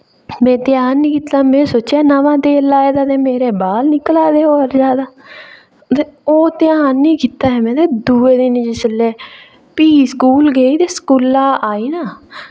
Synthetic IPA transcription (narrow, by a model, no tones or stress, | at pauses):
mɛ̃ːt̪ɪjaːnːĩːkiːt̪ːaːmɛ̃ːsoːt͡ʃːaːnəʋãːt̪eːlaːeːd̪aːt̪eːmeːɾeːbaːlnɪkəlaːd̪eːoːəɾd͡ʒaːd̪aː | t̪eoːt̪ɪjaːnːĩːkiːt̪aːɦɛmɛ̃ːt̪eːd̪uːeːd̪iːnːd͡ʒɪsəlːeː | piːskuːlɡeːiːt̪eːsə̥kulːaːʔaːiːnaː